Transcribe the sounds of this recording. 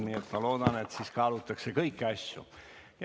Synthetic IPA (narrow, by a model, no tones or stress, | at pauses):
mijot̪mɑloːd̪ɑnet̪siskɑːlut̪ːɑksekɤikːiɑsʲjo̰j